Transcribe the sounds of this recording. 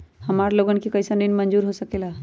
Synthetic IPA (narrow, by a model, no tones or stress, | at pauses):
həmaɾloɡənkikəjsəninmənd͡ʒuɾɦosəkela